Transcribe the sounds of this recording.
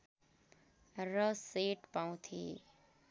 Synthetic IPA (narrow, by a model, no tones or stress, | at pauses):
ɾəseːʈpawũt̪ʰḭː